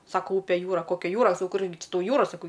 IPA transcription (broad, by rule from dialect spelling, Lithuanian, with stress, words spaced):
ˈsɑːkoː ˈʊpʲeː ˈjuːrɐ ˈkoːkʲɛ ˈjuːrɐ ˈkʊrʲɡʲɪ ˈt͡ʃʲɪ ˈtɐʊˈjuːrɐ sɐˈkɐʊ